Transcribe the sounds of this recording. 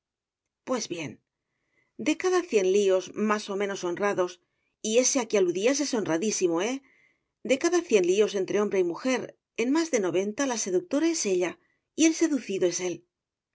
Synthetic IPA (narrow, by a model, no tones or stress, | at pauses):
pwe̞zβje̞n | d̪e̞kaðaθje̞nlio̞zmaso̞mẽ̞no̞so̞nraðo̞s | ie̞seakialuðias̬e̞so̞nraðisimo̞e̞ | d̪e̞kaðaθje̞nlio̞se̞nt̪ɾe̞o̞mbɾe̞imuxe̞ɾ | e̞nmazðe̞no̞βe̞nt̪alase̞ðuk̚t̪o̞ɾae̞se̞ʎa | ie̞lse̞ðuθiðoe̞se̞l